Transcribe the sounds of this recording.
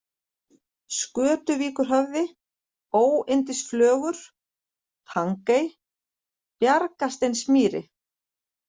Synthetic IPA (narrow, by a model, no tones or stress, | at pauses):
skœːt̪ʏviːkʏɾ̥ɦœvðɪ | oːwɪnt̪ɪsflœːɣʏɾ̥ | tʰaŋkej | pjaɾkast̪ejnsmiːɾɪ̰